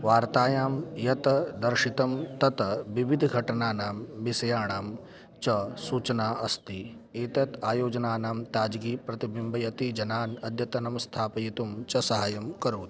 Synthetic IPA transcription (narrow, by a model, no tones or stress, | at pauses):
ʋaːɾt̪aːjaːmjɐt̪ɐd̪ɐɾʃit̪ɐmt̪ɐt̪ɐʋiʋid̪ʱɡʱɐʈɐnaːnaːmʋisɐjaːɳaːm | t͡ʃɐsuːt͡ʃɐnaːʔɐst̪i | eːt̪ɐt̪aːjoːd͡ʒɐnaːnaːmt̪aːd͡ʒɡiːpɾɐt̪ibimbʱɐjɐt̪id͡ʒɐnaːnɐd̪ʱjɐt̪ɐnɐmst̪ʰaːpɐjit̪umt͡ʃɐsɐɦaːjɐmkɐɾoːt̪